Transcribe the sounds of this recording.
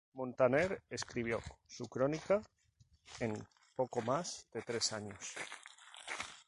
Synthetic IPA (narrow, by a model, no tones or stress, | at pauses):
mõnt̪aneɾeskɾiβ̞josukɾonika | em | pokomazd̪et̪ɾesaɲos